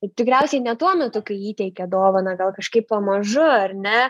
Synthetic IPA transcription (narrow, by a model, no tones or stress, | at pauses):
t̪ʲɪkɾʲɛˑʊsʲɛɪnʲɛt̪uɔmʲɛt̪ʊkɐɪiːt̪ʲɛɪkʲɛɐd̪oːʋoːnɐɡɐlˠkɐʃkɐɪppɐmɐʒʊɐrʲnʲɛ